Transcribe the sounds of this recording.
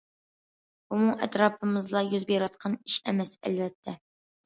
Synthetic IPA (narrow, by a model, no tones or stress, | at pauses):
bumʊŋɛt̪ɾɑːpʰɨmɨzlˠɑjyzbeɾɑt̪̚qʰɑniʃɛmɛsɛ̰lvɛt̪ʰːɛ